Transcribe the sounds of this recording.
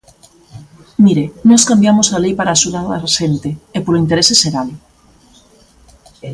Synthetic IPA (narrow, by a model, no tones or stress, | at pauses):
miɾenɔskambjamosalejpaɾaːʃuðaðaʃent̪eːpoloint̪eɾeseseɾal